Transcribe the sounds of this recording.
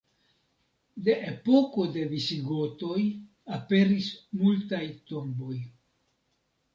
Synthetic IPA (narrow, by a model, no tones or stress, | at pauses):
de̞ʔepo̞ko̞de̞visiɡo̞to̞j | ape̞ɾismultajto̞mbo̞j